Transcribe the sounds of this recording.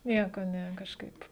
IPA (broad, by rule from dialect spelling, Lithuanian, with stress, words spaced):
ˈnʲiɛkoː ˈnʲɛ kɐʃˈkɐɪp